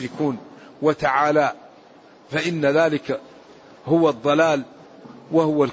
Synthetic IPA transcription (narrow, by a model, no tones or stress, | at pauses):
ɪkuːnwat̪aʕaːlaː | faʔɪnːaðaːlɪka | hʊwɑd̪ˤːɑlaːl | wahʊwal